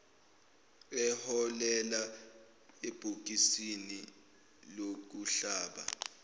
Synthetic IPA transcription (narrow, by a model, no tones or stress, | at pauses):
ɛhɔlɛla | eb̥ʱuk̬isini | lok̬uɬaːɓa̰